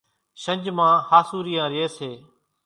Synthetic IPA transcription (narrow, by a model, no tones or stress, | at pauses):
ʃə̃ɲd͡ʒmãːhaːsuːɾiːjãːɾɪeːseː